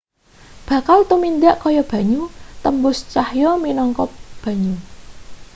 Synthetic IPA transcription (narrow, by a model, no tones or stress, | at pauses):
b̥a̤kalt̪umind̪aʔkɔjɔb̥a̤ɲut̪əmbʊst͡ʃahjɔminɔŋkɔp̚b̥a̤ɲu